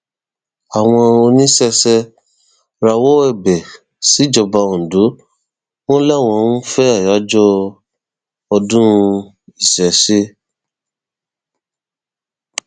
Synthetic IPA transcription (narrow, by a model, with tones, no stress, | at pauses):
a˨w̃ɔ̃˧o˧nĩ˦sɛ˧sɛ˧ | ɾa˧wɔ˦ɛ˦˨bɛ˨ | si˨˦d͡ʒɔ˧ba˧ũ˨do˨˦ | w̃ɔ̃˦lɛ˦˨w̃ɔ̃˧nũ˦fɛ˦a˦˨ja˨˦d͡ʒɔ˦ | ɔ˧dũ˦˧ | i˨sɛ˨se˦